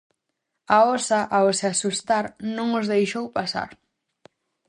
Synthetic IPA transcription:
aɔsaʔawsɪasust̪aɾnõŋozðejʃowpasa̰ɾ

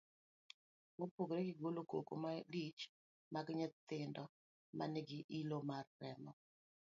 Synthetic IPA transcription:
mopoɡɾeɡɪɡoloko̰ko̰malit͡ʃ | maɡɲɛt̪ɪndɔ | mʔa̰nɪɡɪʔilomarːɛmɔ

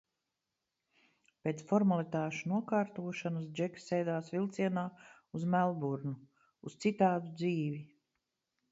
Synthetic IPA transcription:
pʲeːt̪sfɔɾmalit̪aːʃunuɔkaːɾt̪uɔʃanas̬d͡ʒɛksːɛjd̪aːsvilˠt̪siɛnaː | uzmælˠbuɾnu | ust̪sit̪aːd̪ud̪ziːvi

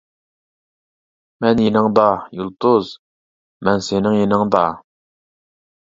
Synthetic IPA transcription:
mɛnjenɪŋd̪ɑjulˠt̪uz | mɛnsenɪŋjenɪŋd̪ɑ

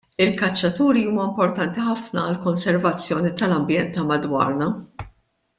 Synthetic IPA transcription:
ɪlkɐt͡ʃːɐt̪uːɾiuːmɐɪmpɔɾt̪ɐnt̪iħɐfnɐːlkɔnsɛɾvɐt͡sːjɔːnit̪ɐlɐmbjɛnt̪ɐmɐd̪wɐ̰ːɾnɐ

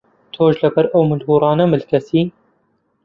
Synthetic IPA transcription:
t̪ʰoːʒlɐbɐɾʔɐwmɨlhuːɾˤɑːnɐmɨlkʰɐsiː

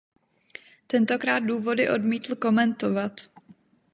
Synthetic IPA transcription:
t̪ɛnt̪o̞kɾaːt̪̚duːvo̞dɪʔo̞dmiːt̪l̩ko̞mɛnt̪o̞vat̪

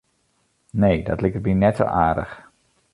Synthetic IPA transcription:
nejdɑ̰tlɪk̚t̚minɛtso̰ʔaːɹdə̰χ

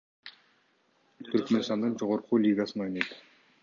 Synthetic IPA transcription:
t̪ʰʏɾkʲmenst̪ɑnd̪əɴʒoʁoɾqulʲijɡɑsəno̞jnɑjd̪ə̥

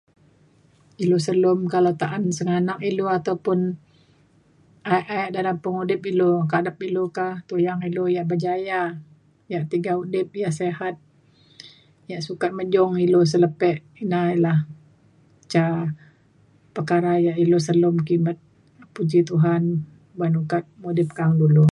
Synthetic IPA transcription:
ilosəlʊmkalat̪aʔansəŋanak̚iloat̪awpʊn | aʔaɛʔdalampəŋudɪpilokadap̚ilokaht̪ujaŋilojaʔbəd͡ʒaja | jaʔt̪iɡaudɪp̚jahseɦat̪̚ | jaʔsukat̪̚məd͡ʒɔŋilos̬ələpɛʔ | inailah | t͡ʃa | pərkaɾajaʔilos̬əlʊmkimət̪̚ | pud͡ʒit̪uɦan | banukat̪̚mudɪp̚kaŋdulu

